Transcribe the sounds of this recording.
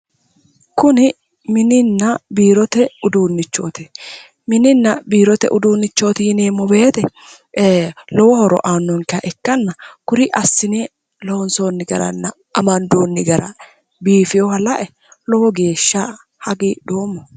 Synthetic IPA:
kʊnɪ | mɪnɪnːɐbiːɾɔt̪ɛʊd̪uːnːɪt͡ʃːo̰ːt̪ɛ | mɪnɪnːɐbiːɾɔt̪ɛ̰ʔʊd̪uːnːɪt͡ʃːo̞ːt̪ɪjɪneːmːɔbe̞ːt̪ɛ | lɔwɔhɔɾɔ̰ʔaːnːɔŋkɪɐʔɛkːɐnːɐkʊɾɪʔɐsːɪne | lɔnsoːnːɪɡɐɾɐ̰nːɐ | ʔɐmɐnd̪oːnːɪɡɐɾɐ̰ | biːfɪjɔhɐlɐʔɛ | lɔwɔɡe̞ːʃːa | hɐɡiːd̪o̞ːmːɔ

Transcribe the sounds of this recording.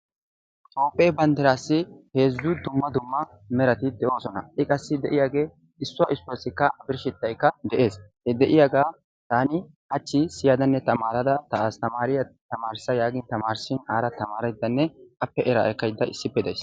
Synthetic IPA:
t̪ʼoːpʼːeːbɐnt̪ɛɾaːsːɪhe̞ːzːʊd̪ʊmːɐd̪ʊmːɐ | mɛɾɐt̪ɪd̪ɛʔo̞ːsɔnɐ̰ʔɪkʼɐsːɪd̪ɛʔɪjaːɡe̞ː | ɪsːʊaʔɪsːʊasːɪkːɐʔɐbɪɾʃɪt̪ːɐjkːɐd̪ɛʔe̞ːshɛd̪ɛʔɪjaːɡaː | t̪aːnɪ | ɐt͡ʃːɪsɪjad̪ɐnːɛt̪ɐmaːɾɐd̪ɐt̪ɐaːst̪ɐmaːɾɪjɐt̪ɐmaːɾsɐjaːɡɪnt̪ɐmaːɾsɪnaːɾɐt̪ɐmaːɾɐjd̪ːɐnːɛkʼɐpːɛʔɛɾa̰ːʔɛkːɐjd̪ːɐʔɪsːɪpːɛd̪ɐjs

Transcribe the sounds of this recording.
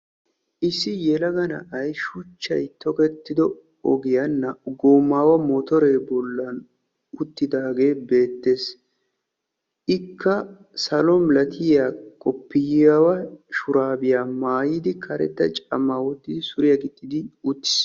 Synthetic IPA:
ʔɪsːɪjɛlɐɡɐnɐ̰ʔɐjʃʊt͡ʃːɐ̰jt̪ɔkɛt̪ːɪd̪ɔ | ɔɡɪjɐnːɐɡoːmːaːwɐmɔt̪ɔɾeːbɔlːɐn | ʊt̪ːɪd̪aːɡe̞ːbe̞ːt̪ːe̞ːs | ʔɪkʰːɐ | sɐlɔmlɐt̪ʰɪjaːkʼɔpːɪjawɐʃʊɾaːbɪjaːmaːjɪd̪ɪkʰɐɾɛ̰t̪ːɐt͡ʃʼɐ̰mːaːwɔt̪ːɪd̪ɪsʊɾɪjɐɡɪt̪ʼːɪd̪ɪʊt̪ːɪ̥s

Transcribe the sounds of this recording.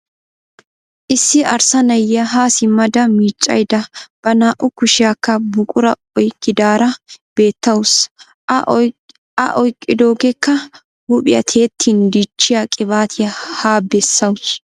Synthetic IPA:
ʔɪsːɪʔɐɾsɐnɐjɐɦaːsɪmɐd̪ɐmiːt͡ʃʼːɐ̰jd̪ɐb̥ɐnaːʔʊkʊʃɪjakːɐbʊkʼʊɾɐ | ɔjkːɪd̪aːɾɐb̥e̞ːt̪ːɐwʊs | ɐ̰ʔɔjkʼːɪd̪o̞ːɡɛkːɐ | hʊpʼɪjɐ̰t̪ʰe̞ːt̪ʰːind̪it͡ʃːɪjakʼɪbaːt̪ʰɪjɐhaːbɛsːɐwʊs

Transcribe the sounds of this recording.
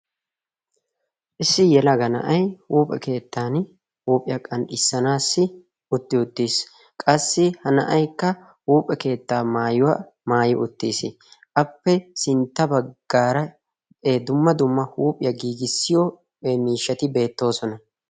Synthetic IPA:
ʔɪsːɪjɛlɐɡɐnɐ̰ʔɐjhuːpʼɛ̰ke̞ːt̪ːaːn | huːpʼɪjɐkʼɐnɗɪsːɐnaːsːɪ | ʔʊt̪ːɪʊt̪ːiːs | kʼɐsːɪhɐnɐ̰ʔɐjkːɐ | huːpʼɛke̞ːt̪ːaːmaːjʊwaː | maːjɪʔʊt̪ːiːsɪ | ʔɐpːɛsɪnt̪ːɐbɐɡ̥ːaːɾɐ | ed̪ʊmːɐd̪ʊmːɐhuːpʼɪjɐɡiːɡɪsːɪjo | emiːʃːɐt̪ɪbe̞ːt̪ːo̞ːsɔnɐ

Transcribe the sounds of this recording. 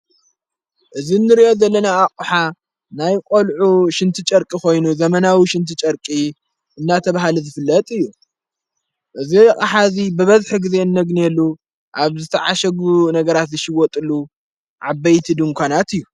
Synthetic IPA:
ʔɨzinːɨɾiʔo̞zɐlːɐnaːkʼuħa | najkʷʼolʕuʃɨnt̪ʰit͡ʃʼɐɾkʼiko̞jnuzɐmɐnawiʃɪnt̪ʰit͡ʃʼɐɾkʼi | ʔɨnːat̪ʰɐβaɦalizɨfɨlːɐt̪ʼɨjːu | ʔɨziχʼaħazibɨβɐzħɨɡɨze̞ɨnːɐɡnelːu | ʔaβzɨt̪ʰɐʕaʃɐɡunɐɡɐɾat̪zɨʃɪwɔt̪ʼɨlːu | ʕabɐjt̪ʰid̪ɨŋkʷʰanat̪ɨjːu

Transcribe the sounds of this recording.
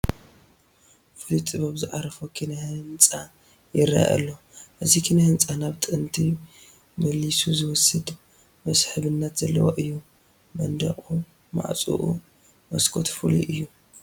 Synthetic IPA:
fɨlit̪ʼɨβaβzɨʕaɾɐfokʰinahɨnt͡sʼa | jɪɾːa̰a̰ʔɐ̰lːo | ʔɨzikʰinahɨnt͡sʼanaβt̪ʼɨɨnt̪ʰi | mɐlːisuzɨwɔsɨd̪ | mɐsħɨβɨnːat̪z̥ɐlːɐ̰woʔɨjːu | mɐnd̪ɐ̰χʼu | ma̰ʕt͡sʼṵʔṵ | mɐskʰot̪fɨlḭʔɨjːu

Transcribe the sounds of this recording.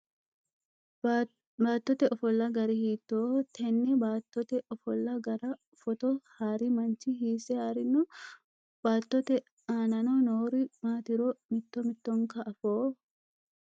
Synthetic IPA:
baːt̪ːɔt̪ɛʔɔfɔlːɐɡɐɾɪhiːt̪ːoːt̪ʰɛnːɛbaːt̪ːɔt̪ɛʔɔfɔlːɐɡɐɾɐ | fɔt̪ɔhaːɾɪmɐnt͡ʃɪɦiːsɛhaːɾɪnːʊ | baːt̪ːɔt̪ɛ | aːnɐnonoːɾɪmaːt̪ɪɾɔmɪt̪ːɔmɪt̪ːɔŋkɐʔːfoː

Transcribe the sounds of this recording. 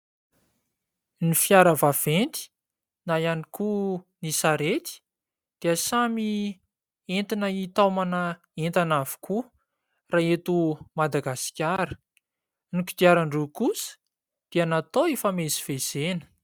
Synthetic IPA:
nifjaɾəvav̥ent̪i̥ | najanikunisaɾet̪i̥ | d̪̥iəsami | ent̪inəit̪amanə | ent̪anavi̥kʰu | raet̪umad̪aɡasi̥kʲaɾə̥ | niki̥d̪iaɾaɳɖ͡ʐukusə̥ | d̪̥ianat̪oefameziv̥ez̥enə̥

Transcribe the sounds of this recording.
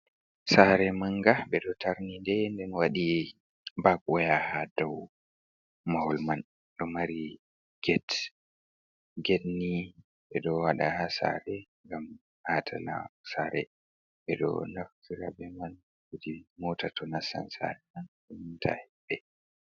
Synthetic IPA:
saɾɛmaŋɡaɓɛɗɔtʰaɾnindɛndɛnwaɗi | bakʼɔjahadɔw | mahɔlman | ɗɔmaɾi | ɡ̥ɛt | ɡɛtni | ɓɛɗɔwaɗahasa̰ɾɛŋɡam | hatʰala̰saɾɛ | ɓɛɗɔ̰naftʰiɾa̰bɛman | widimɔtʰatʰɔnasa̰nsa̰ɾɛmanɗɛmintʰa̰hɛbːɛ

